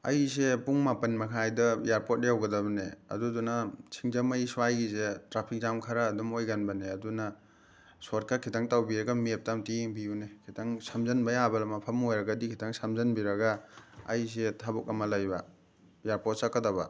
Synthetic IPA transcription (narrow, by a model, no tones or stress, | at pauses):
ɐ̰js̬epuŋmapɐnmɐkʰajdɐjaɾpot̚jawɡɐdɐbɐneɐ̰dudunɐt͡ʃʰiŋzɐmɐjsuajɡisetɾapʰik̚zamkʰɐɾaːdumojɡanbɐneɐdunɐ | soɾ̚kakʰitʰaŋtawbiɾɐɡɐmep̚tamtiŋbijunekʰitʰaŋsɐmzɐnbɐjabɐlɐmɐpʰɐmojɾɐɡadikʰitʰaŋsɐmzɐnbiɾɐɡa̰ːjs̬etʰabuk̚ɐmɐlajbɐ | jaɾpot̚sakːɐdɐbɐ̰